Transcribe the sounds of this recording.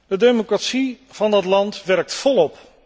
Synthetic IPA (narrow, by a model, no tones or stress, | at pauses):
d̥ədejmokratsi | v̥ɑndɑtlɑntʋɛrk̚tfɔlˠɔp